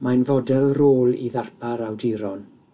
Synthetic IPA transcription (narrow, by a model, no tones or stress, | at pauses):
majnvɔdɛlˠroːlˠḭðarpaɾawdiɾɔn